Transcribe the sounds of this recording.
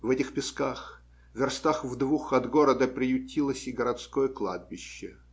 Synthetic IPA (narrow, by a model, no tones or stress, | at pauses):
vɛtʲɪxpʲɪskax | vʲɪrst̪axvd̪vuxɐd̪ɡoɾəd̪əpɾʲɪjʊtʲʰːilˠəsʲɪɡəɾɐt̪skojəklˠa̰d̪̚bʲɪɕːɪ